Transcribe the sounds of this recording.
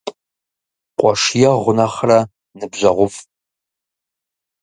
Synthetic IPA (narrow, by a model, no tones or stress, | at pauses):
qʷʼɔʂjɛʁʷʊnɐχrɐ | nɨbʑɐʁʷʊf